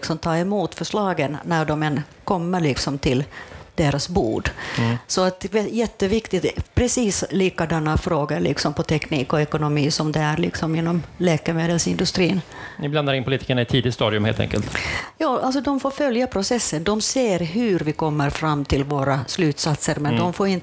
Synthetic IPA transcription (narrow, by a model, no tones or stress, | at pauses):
ksɔmt̪ʰɑːɛmuːt̪fœʂɭɑːɡənːæɖɔmɛnkʰɔmːəɾɭɪksɔmt̪ʰɪld̪̥eːɾasbṵːɖsɔat̪jɛt̪ːəvɪkt̪ɪpʰɾɛsiːsliːkad̪ɛnːafɾoːɡalɪ̰ksɔmpʰɔt̪ʰɛkniːkɔɛkʊnʊmiːsɔmd̪ɛæɾlɪksɔmɪnːɔmleːkəɾmeːd̪əlsɪnd̪ɵst̪ɾiːnnɪbland̪aɾɪnpʰʊliːt̪ʰi̥ːkːəɳaɪt̪ʰiːd̪ɪt̪st̪ɑːd̪ɪɵmhḛlt̪ɛ̰ŋkə̰lt̪jɑːʔals̬ɔd̪ɔmfoːɾfœljapʰɾʊsɛsːənd̪ɔmseːɾɦʉ̟ɾvɪkɔmːəɾfɾamːt̪ʰɪlvoːɾaslʉ̟ːt̪sat̪səɾmɛnd̪ɔmfoːɾɪnt̪